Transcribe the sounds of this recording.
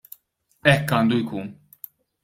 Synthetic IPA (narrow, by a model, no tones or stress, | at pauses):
ɛkːɐːnd̪ujkuːn